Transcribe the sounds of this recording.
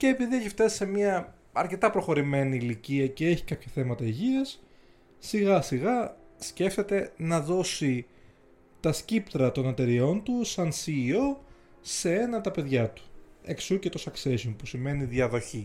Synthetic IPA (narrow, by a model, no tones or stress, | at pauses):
ceːpiðieçift̪ɐsi̥se̞miɐ | ɐɾce̞t̪ɐpɾoxo̞ɾime̞niːliciɐce̞e̞çi̥kɐpçɐθe̞mɐt̪ɐiʝiɐsː | iɣɐsiɣɐsce̞ft̪e̞t̪e̞nɐðo̞si | t̪ɐscipt̪ɾɐt̪o̞net̪e̞ɾio̞nt̪usɐnsiːo̞ | se̞e̞nɐt̪ɐpe̞ðʝɐt̪u̥e̞̰ksucet̪o̞sɐkse̞sonpusime̞niðjɐðo̞çi